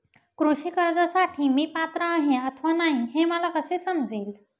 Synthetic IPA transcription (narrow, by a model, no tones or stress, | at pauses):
kɾuɕiːkəɾd͡zəsaʈʰiːmiːpat̪ɾəːɦeət̪ʰʋanaɦĩɦẽməlakəsesəmd͡zeːl